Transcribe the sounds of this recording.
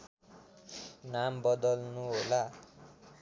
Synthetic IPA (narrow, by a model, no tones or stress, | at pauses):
nambʌd̪ʌlnuɦola